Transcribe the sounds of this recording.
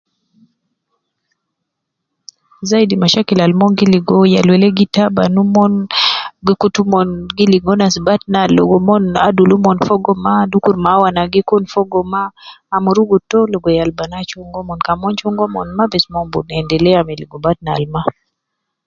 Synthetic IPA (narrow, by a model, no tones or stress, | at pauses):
zaidimaʃakilalmɔnɡiliɡɔjalwɛlɛɡitabanumɔnɡikutumɔnɡiliŋɔnasbat̚nalɔ̰ɡɔmɔnadulumɔnfɔɡɔmadukuɾmawanaɡikɔnfɔɡɔmaːmuɾuɡutɔlɔɡɔjalbanat͡ʃuŋɡɔmɔnkamɔnt͡ʃuŋɡɔmɔ̰nmabɛsmɔmbṵnɛndɛlɛamɛliɡɔbatna̰lma